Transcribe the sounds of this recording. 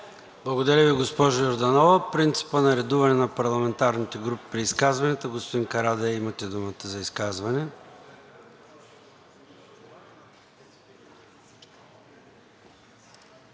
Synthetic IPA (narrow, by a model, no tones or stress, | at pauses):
blˠɐɡod̪ɐɾʲəviɡospɔʒojoɾd̪ɐnɔvɐpɾint̪si̥pənɐɾɛd̪uvɐnɛnɐpɐɾlˠɐmɛnt̪aɾnit̪ɛɡɾupi̥pɾiːskazvɐnɛt̪əɡospod̪inkɐɾad̪ɛɛimɐt̪ɛd̪umət̪əzɐiskazvɐnɛ